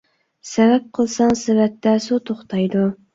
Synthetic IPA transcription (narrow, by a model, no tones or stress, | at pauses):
sɛvɛp̚qʰəlˠsɑŋsɪvɛt̪ːɛsut̪ʰoχt̪ʰɑjd̪u